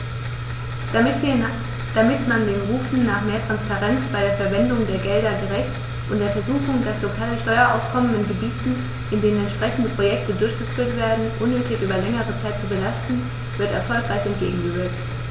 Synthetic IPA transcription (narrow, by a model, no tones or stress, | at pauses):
d̥amɪtmandeːnʁuːfn̩naːχmeːɐtʁ̥anspaʁɛnt͡sb̥aɪɾeːɐfɛɐvɛndʊŋdeːɐɡɛldɐɡəʁɛçt | ʔʊntd̥eːɐfɛɐzuːxʊŋdaslokʰaːləʃtɔʏɐʔa̰ʊfkʰɔmənɪnɡəbiːtn̩ | ʔɪndeːnənɛntʃpʁ̥ɛçn̩dəpʁ̥ojɛk̚tədʊɐçɡ̥əfyːɐtv̥eːɐdn̩ʔʊnːøːtɪçʔyːbɐlɛŋəʁət͡saɪtt͡subəlastn̩ | vɪɐtɛ̰ɐfɔlkʁ̥aɪçɛntɡ̥ḛːɡŋ̩ɡəøːɐtt